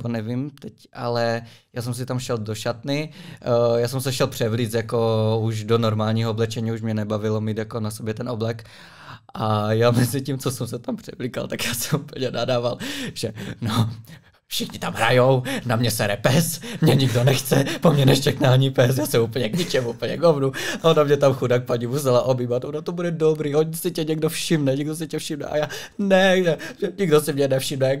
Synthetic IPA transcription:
ponɛvimt̪ɛcʔalɛjaːs̬ɛms̬ɪt̪amʃɛldoʃat̪nɪ | jaːsɛmsɛʃɛlpr̥ɛvliːt͡s̪jakouʒdonoɾmaːlɲiːɦooblɛt͡ʃɛɲiːuʃmɲɛnɛbavɪlomiːt̪jakonasobjɛt̪ɛnʔoblɛk | ʔajaːmɛzɪcimt͡sosɛmsɛt̪ampr̥ɛvliːka̰lt̪akjaːsɛmuːpəl̩ɲɛnadaːvalʒ̥ɛno | fʃɪxɲɪt̪amɦɾa̰jownamɲɛsɛɾɛ̰pɛsmɲɛɲɪɡdo̞nɛxt͡sɛpomɲɛnɛʃt͡ʃɛknaːɲipɛs̬jaːsɛmupəɲɛɡɲɪt͡ʃɛmʔuːpl̩ɲɛɡovnuaonamɲɛt̪amxudak̚paɲɪmus̬ɛlaʔobiːvat̪onat̪obudɛdobɾiːʔoɲsɪcɛɲɛɡdofʃɪmnɛɲɛɡdos̬ɪcɛfʃɪmnɛ̰ʔa̰jaːnɛʒɛʒɛɲɪɡdosɪmɲɛnɛfʃɪmnɛ

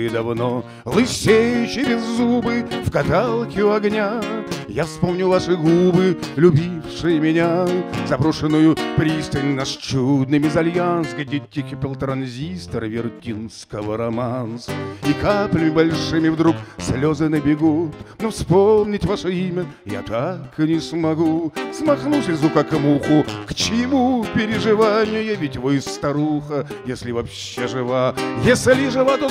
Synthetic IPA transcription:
ɪd̪ɐvno | lˠɨsʲejʊt͡ɕːɪbʲɪzːubɨfkɐt̪alˠkʲɪjʊɐɡnʲajafspomnʲʊvaʂɨɡubɨlʲʊbʲifʂɨjəmʲɪnʲazɐbɾoʂɨnːʊjʊpɾʲist̪əlʲnːəʂt͡ɕud̪̚nɨmʲɪzɐlʲjansɡdʲetʲːɪkʲɪpʲɪlˠt̪ɾɐnzʲist̪ərvʲɪrtʲinskəvəɾɐmansikaplʲəmʲɪbɐlʲʂɨmʲɪvd̪ɾuksʲlʲozɨnəbʲɪɡut̪nofspomnʲɪtʲvaʂəimʲəja̰t̪aknʲɪsmɐɡusmɐxnusʲɪzʊkakmuxʊkt͡ɕɪmupʲɪɾʲɪʐɨvanʲɪjʊjavʲɪtʲvɨɪst̪ɐɾuxəjesʲlʲɪvɐpɕːeʐɨvajesʲlʲɪʐɨvad̪o

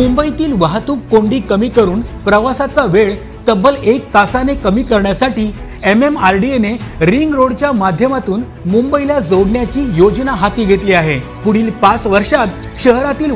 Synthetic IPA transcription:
mumbəit̪iːlʋaɦt̪uːp̚koɳɖiːkəmiːkəɾuːnpɾəʋasat͡saʋeɭ | t̪əbəlek̚t̪asanekəmiːkəɾɳjasaʈiː | ememaɾɖieneɾiŋɡɾoɽt͡ɕjamad̪ʱjəmat̪uːn | mumbəilad͡zoɽɳjat͡ɕiːjod͡znaɦat̪iːɡʱet̪liːaɦe | puɽ̤iːlpat͡sʋəɾʂat̪ | ɕəɦɾat̪iːl

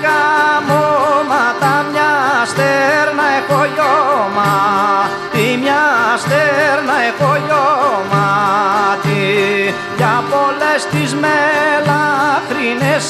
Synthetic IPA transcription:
kamomat̪amjast̪ɛɾnaekojoma | t̪imjast̪eɾnaekojoma | t̪i | japolest̪ismelakɾines

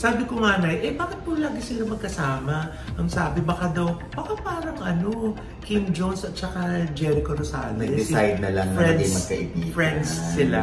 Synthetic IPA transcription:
saːbɪkoŋaːnɐjʔɛbaːkɪt̪̚pʊlaːɡɪsiːlɐmɐɡ̚kɐsaːmɐ | ʔɐŋsaːbɪbɐkad̪ɐw | bɐkapaːɾɐŋʔɐno̞ | kɪmd͡ʒownsɐt̪̚t͡ʃɐkad͡ʒɛɾɪkoɾosaːlnɐɡɛd̪ɛsajd̪̚nɐlɐŋfɾɛnd̪mɐɡkɐʔɪp̪̚ifɹɛnd̪sːɪla

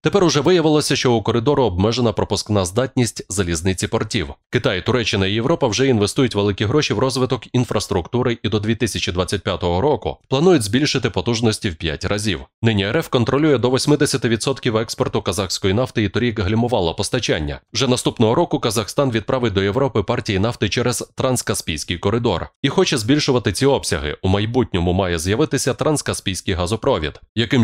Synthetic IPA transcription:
t̪e̞pɛɾʊʒɛʋɪjɐʋɪlˠɔsʲɐʃt͡ʃɔʊkɔɾɪd̪ɔɾʊɔb̚mɛʒenɐpɾɔpʊsknazd̪ɑtʲnʲisʲtʲzɐlʲiznɪt͡sʲipɔrtʲiwkɪt̪ajit̪ʊɾɛt͡ʃːɪnɐijeʋwɾɔpɐwʒɛinʋest̪ujʊtʲʋeɪkʲiɦɾɔʃiwɾɔzʋɪt̪ɔkinfɾɐst̪ɾʊkt̪uɾɪid̪ɔd̪ʲʋʲit̪ɪsʲɐt͡ʃid̪ʋat͡sʲːɐt̚ʲpʲjat̪ɔɦɔɾɔkʊ̰plˠɐnujʊtʲzʲbʲilʲʃɪt̪ɪpɔt̪uʒnɔsʲtʲiwpʲja̰tʲrʔɐzʲḭwnɪnʲiɛɾɛfkɔnt̪ɾɔlʲujɛd̪ɔʋɔsʲmɪd̪ɛsʲɐt̪ɪʋʲid̪sɔt̪kʲiwɛkspɔrt̪ʊkɐzɑxsʲkɔjinɑft̪ɪit̪ɔɾʲikɦlʲimʊʋɑlˠɐpɔst̪ɐt͡ʃa̰nʲːɐ̰wʒɛnɐst̪upnɔɦɔɾɔkʊkɐzɐxst̪ɑnʋʲid̪̚pɾʔɑʋɪt̚ʲd̪ɔeʋɾɔpɪpɑrtʲijinɑft̪ɪt͡ʃɛɾɛz̥t̪ɾɐnskɐspʲijsʲkɪjkɔɾɪd̪ɔ̰rixɔt͡ʃɛzʲbʲilʲʃʊʋɐt̪ɪt͡sʲiɔpsʲɐɦɪ̰ʔumɐjbutʲnʲɔmʊmɑjɛzjɐʋɪt̪ɪsʲɐt̪ɾɐnskɐspʲijsʲkɪjɦɐzʊpɾɔʋʲḭd̪jɐkɪm

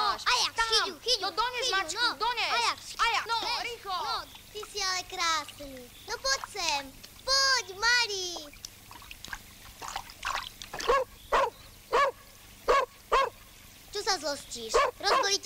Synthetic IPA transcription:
ajat̪axiuxiɔd̪ɔɲɛnaut͡ʃnd̪ɔɲɛajaajanɔɾiːxlɔɔt̪isialɛkɾaːsni | nɔpɔcsɛmpɔcmaɾi | t͡ʃɔsazlɔsciːʃɾɔsɔɾic

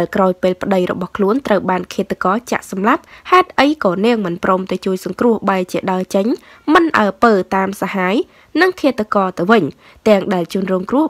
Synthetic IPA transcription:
aɛlkraɔjpeːlpʰə̆ɗəjrɔ̰ɓɑhkʰluənt̪rəwɓaːnkʰiət̪ːəkɑːt͡ɕa̰ʔsɑmlap̚haɛt̪̚ʔəjkɑːnɛəŋmɨnproːmt̪aɛt͡ɕuəjsɑŋkrʊ̆əhɓaɛt͡ɕiəɗaət͡ɕəɲ | mɨnʔa̰əpəːt̪aːmsahaːj | nɨŋkʰiət̪ːəkɑːt̪ɨwʋɨɲ | t̪ɛ̆əŋɗaɛlt͡ɕŭənrɔːŋkrʊ̆əh

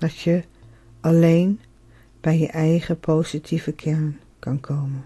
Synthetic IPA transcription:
d̥ɑtjə | ʔɑlejn | b̥ɛjjəʔɛjχəpʰowsitʰivəkʰɛɹn | kɑnkʰowmən

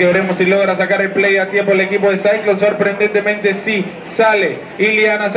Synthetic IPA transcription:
eβeɾemosːilo̞ɣ̞ɾas̬akaɾelplejat̪jemp̬oele̞kip̬o̞ðesajt̪loso̞ɾpɾend̪e̞nt̪emẽnt̪e̞si | sale | iljanas

